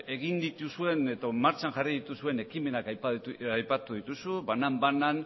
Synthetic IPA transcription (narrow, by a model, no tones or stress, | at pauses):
e̞ɣind̪it̪usue̞neðomaɾt͡ʃanʝariðit̪usue̞ne̞kime̞nakajaðajpat̪uðit̪usuβanambanan